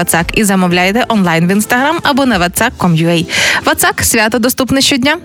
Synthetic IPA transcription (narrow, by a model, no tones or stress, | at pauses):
ɐt̪sɑkizɐmɔwlʲajet̪ɛʔɔnlˠajnʋinst̪ɐɦɾamɐbɔnɐʋɐt̪sɑkʰːɔmjuɛjʋɐt̪saksʲʋʲat̪ɔd̪ɔst̪upnɪʃt͡ʃɔdʲnʲa